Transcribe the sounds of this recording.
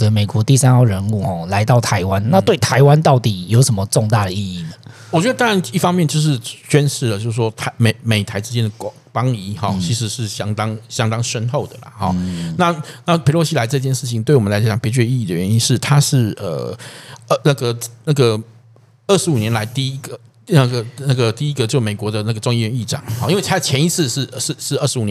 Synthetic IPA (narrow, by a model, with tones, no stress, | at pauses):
ə˧me˨˩ɪkwɔ˧˥t̪i˥˩sa˥nxɑ˥˩ʊɻə˧˥nu˥˩xɔ˥˩la˧˥ɪt̪ɑ˥˩ʊt̪ʰa˧˥ɪwa˦nna˥˧t̪we˥˩ɪt̪ʰa˧˥ɪwa˥˦nt̪ɑ˥˩ʊt̪i˨˩jo˧˥ʊʂə˨˧˦mə˧ʈ͡ʂɔ˥˧ŋt̪a˥˩ɾə˩i˥˧i˥˩nə˩wɔ˨˩t͡ɕɥɛ˧˥də˧t̪ɑ˥a˧˦ni˥˩fɑ˥ŋmjɛ˥˧nt͡ɕjo˥˧ʊʂ̬ɻ̩˥˩ɕɥɛ˥nʂɻ̩˥˩lə˩t͡ɕjo˥˧ʊʂ̩˥˩ʂwɔ˥t̪ʰa˦˥me˨˩ɪme˨˩ɪt̪ʰa˧˥ɪʈ͡ʂɻ̩˥t͡ɕjɛ˥nd̪ə˨˩k | pɑ˥ŋi˧˥xɔ˥˩t͡ɕʰi˧˥ʂɻ̩˧˥ʂɻ̩˥˩ɕjɑ˥ŋt̪ɑ˥ŋɕjɑ˥ŋt̪ɑ˥ŋʂə˥nxo˥˩ʊd̪ə˩lɐ̰˨˩xɔ̰˨˩na˥˨na˥˩pʰe˧˥ɪlwɔ˧˥ɕi˥la˧˥ɪʈ͡ʂɤ˥˧t͡ɕjɛ˥˧nʂɻ̩˥˩t͡ɕʰi˨ŋt̪we˥˩ɪwmə˦nla˧˥ɪ˥t͡ɕjɑ˨˩ŋpjɛ˧˥t͡ɕɛ˥˧i˥˧i˥˩ə˨˩ɥɛ˧˦ni˦˥nʂɻ̩˥˩t̪ʰa˥ʂɻ̩˥˩ə̰˨˩˧ | na˥˩ɡə˩na˥˩ɡə˩ | ə˥˩ʂ̩˧˥u˨˩njɛ˧˥nla˧˥ɪt̪i˥˧i˥ɡə˨ | na˥˩ɡə˩na˥˩ɡə˩t̪i˥˩i˦˥ɡə˧˨t͡ɕo˥˧˩me˨˩ɪkwɔ˧˥˦d̪ə˧na˥˩ɡə˩ʈ͡ʂʊ˥˧ŋi˥˧ɥɛ˧˥ni˥˩ʈ͡ʂɑ̰˨˩˦ŋxɔ˥˧ʔi˥nwe˥˩ɪa˥t͡ɕʰjɛ˧˥ni˧˥t͡s̩ʰ˥˧ʂɻ̩˥˧ʂ̩˥˧ʂɻ̩˥˧ə˥˩ʂɻ̩˧˥u˨˩n˧˦